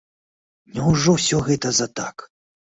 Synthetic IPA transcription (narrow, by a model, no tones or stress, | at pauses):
nʲɛwʐɔwsʲɔɣɛt̪ɐzɐt̪ak